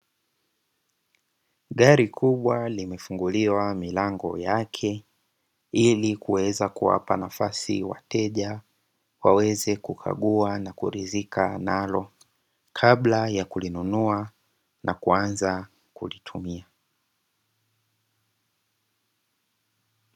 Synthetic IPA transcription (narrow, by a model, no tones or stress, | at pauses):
ɠaɾikʰuɓwalimɛfuŋɡuliwamilaŋɡɔ̰jakʰɛ | ilikuwɛzakuwa̰pa̰nafasiwa̰tɛʄa | wawɛzɛkukʰa̰ɠuanakuɾizikʰanalɔ | kʰablajakulinunua | nakuanza | kulitʰumia